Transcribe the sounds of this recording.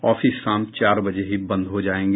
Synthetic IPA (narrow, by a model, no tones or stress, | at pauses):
ɔːfisːãːmpt͡ʃaːɾbɐd͡ʒeɦibɐ̃nd̪ʱɦod͡ʒaːẽːŋɡ